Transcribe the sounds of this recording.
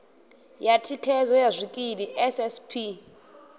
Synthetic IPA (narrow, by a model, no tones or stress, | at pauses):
jatʰikʰɛzɔjazʷikʼidiʔɛsɛspʰi